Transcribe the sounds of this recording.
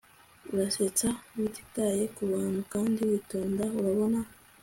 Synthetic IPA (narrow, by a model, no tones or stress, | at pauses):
uɾaset͡sawiti̥taje̞kuβaːnhukaːndiwitoːndauɾaβo̞na